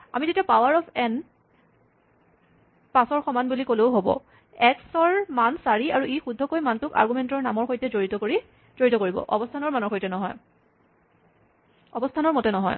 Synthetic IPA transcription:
a̰mizetiapawaɹɔpʰɛn | pasɔɹxɔmanbulikolewɦobɔ̰ | ɛksɔɹmansaɹiaɹuixudʱːɔkojmantʊka̰ɹɡumɛntɔɹnamɔɹxojtɛzoɹitɔkɹi | z̥oɹitɔkoɹibɔ̰ʔɔ̰bɔstʰanɔɹmanɔɹxojtɛnɔɦɔ̰j | ɔbɔstʰanɔɹmɔtɛnɔɦɔ̰j

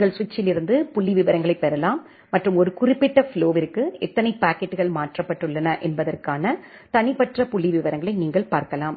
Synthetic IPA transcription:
ŋɡɐɭsʋɪt͡ʃːɪlɪɾɯnd̪ɯpʊɭːiʋɪʋɐɾɐŋɡɐɭɐɪpɛɾɐlaːmː | ɐʈrɯmɔɾɯkʊrɪpːɪʈːɐfɪɭoːʋɪɾɯkːɯʔɛt̪ːɐnɐɪpaːkɛʈːɯɣɐɭmaːʈrɐpːɐʈːɯɭːɐnɐʔɛnbɐðɐrkaːnɐ | t̪ɐnɪpɐʈrɐpʊlːiʋɪʋɐɾɐŋɡɐɭɐɪniːŋɡɐɭpaːɾkɐlaːm

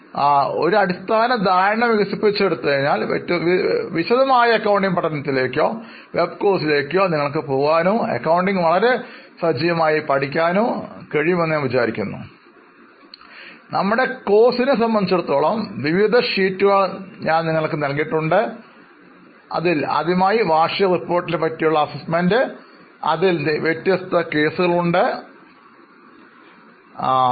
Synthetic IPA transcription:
o̞̰ɾuɐɽist̪ʰaːnɐd̪aːɾɐɳɐmʋiɣɐsipːit͡ɕːeɽut̪ːɐɐðinaːltːʋiɕɐðɐmaːjɐɐkːɐwɳɖiŋpɐʈːɐnːɐt̪ːile̞ːkʲːo̞ː | ʋe̞bko̞ːsile̞ːkʲːo̞ːniŋːɐɭkɨpoːɣaːnuḛkːɐwɳɖiŋɡʋɐɭɐɾe̞sɐd͡ʑɐjɐmaːjipɐʈikʲːaːnukeɻijmɐnːjanʋit͡ɕaːɾikʲːunːṵ | nɐmːuɽe̞ko̞ːsinɨs̬ɐmbɐnd̪it͡ɕːeɽut̪ːoːɭɐmʋiʋid̪ʱɐʂiːtːuɣaɭɲaːnniŋːɐɭkːɨnɐlk̬iʈːuɳɖɨ | ɐ̰ðilɐ̰ðimaːjiʋaːʂɐjɐripːo̞ːrʈːilepːɐtːijuɭːɐːsismendɨ | ɐ̰ðilnʋjetːjɐst̪ɐke̞ːsuɣɐɭuɳɖɨ

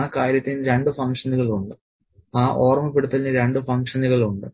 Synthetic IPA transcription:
kaːɾjɐt̪ːinɾe̞ɳɖɨfɐŋkʂɐnuɣɐɭuɳɖɨ | aːʔo̞ːrmɐpeɽut̪ːɐlinɨɾe̞ɳɖɨfɐŋkʂɐnuɣɐɭuɳɖɨ

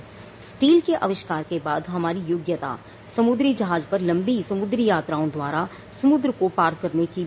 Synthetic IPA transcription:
sʈiːlkeʔɐʋɪʃkaːɾkebaːd̪ɦɐmaːɾijʊɡjət̪a̰ | sɐmʊd̪ɾid͡ʒɐɦaːd͡ʒpɐɾlɐ̃mbisɐmʊd̪ɾijaːt̪ɾaːõd̪waːɾa | sɐmʊd̪ɾəkopaːɾkɐɾneki

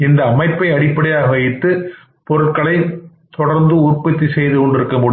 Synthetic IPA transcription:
ɪnd̪ɐːmɐɪpːɐɪɐɽɪpːɐɽɐjaːɣɐʋɐjɪt̪ːɯ | pɔɾɯʈkɐɭɐɪ | t̪ɔɽɐɾnd̪ɯʊɾpːɐt̪ːisɛjðɯkɔɳɖɪɾɯkːɐmʊɽ

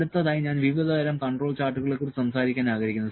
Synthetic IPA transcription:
ut̪ːɐðaːjiɲaːnʋiʋid̪ɐɡɐɾɐmkɐɳɖro̞ːɭt͡ɕaːʈːuɣɐɭekːorsɐmsaːɾikʲːaːnaːɣɐɾikʲːunːɐð

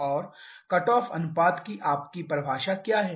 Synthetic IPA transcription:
ɔːɾ | kɐʈɔːfɐ̰nʊpaːd̪kiʔaːp̚kipɾɐbʱaːʃakjaːɦɛː

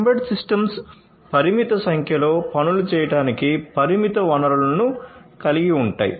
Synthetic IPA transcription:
mbɐʈsisʈɐms | pɐɾimit̪ɐsɐŋkʰjɐlo̞ːpɐnulut͡ʃɛːjɐʈaːnikipɐɾimit̪ɐʋɐnɐɾulɐnukɐliɡiuɳʈa̰ːjḭ

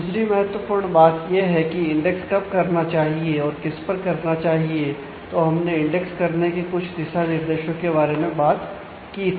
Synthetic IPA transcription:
sɾimɛɦət̪wəpʊɾɳbaːt̪jeɦɛkiɪ̃ɳɖɛkskɐb̚kɐɾnat͡ʃaːɦieɔːɾkɪspɐɾkɐɾnat͡ʃaːɦie | t̪oɦɐmneɪ̃ɳɖɛkskɐɾnekekʊt͡ʃʰd̪ɪsanɪɾd̪eːʃəkːebaːɾemẽbaːt̪ | kiɪ

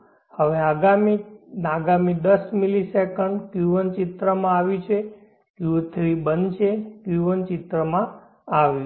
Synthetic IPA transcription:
həʋeaɡaminaɡamid̪əsmilisekəɳɖkjuʋənt͡ʃɪt̪ɾəmãaʋit͡ʃʰe | kjut̪ʰɾibənt͡ʃʰekjuʋənt͡ʃɪt̪ɾəmã | aʋi

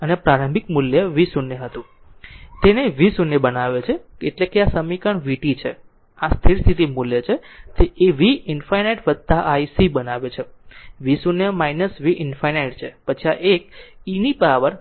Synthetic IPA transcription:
ənepɾaɾə̃mbʱik̚muljəʋisunjəɦət̪ũ | t̪eneʋisunjəbənaʋet͡ʃʰeeʈlekeasəmikəɳʋiʈit͡ʃʰe | ast̪ʰiɾst̪ʰit̪imuljət͡ʃʰet̪eːʋiɪnfajneʈʋəd̪̚t̪aʔaisibənaʋet͡ʃʰeʋisunjəmainəsʋiʔɪnfajnejʈt͡ʃʰepət͡ʃʰiaʔek̚inipaʋəɾ

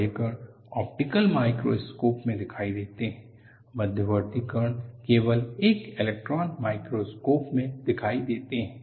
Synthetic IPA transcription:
əkəɾɳ | ɔ̰ːp̚ʈɪkəlmaːɪkɾo̰ːskoːpmẽd̪ɪkʰaːid̪eːt̪eɦɛ̃ː | mɐd̪ʱjəʋəɾt̪ikəɾɳkeːʋəleːkɪlek̚ʈɾɔːnmaːɪkɾoskoːpmẽd̪ɪkʰaːid̪eːt̪eɦɛ̃ː

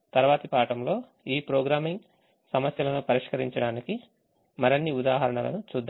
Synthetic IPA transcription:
t̪ɐɾuʋaːt̪ipaːʈɐmlo̞ː | iːpɾoːɡɾaːmiŋɡ | sɐmɐsjɐlɐnupɐɾiʂkɐɾiɲt͡ʃɐɽaːniki | mɐɾɐnːiud̪aːɦɐɾɐɳɐlɐ̰nut͡ʃuːd̪ː

